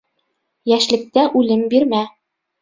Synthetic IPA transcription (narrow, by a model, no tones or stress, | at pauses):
jæʃlɘ̆k̚t̪æʔʉlɘmbiɾmæ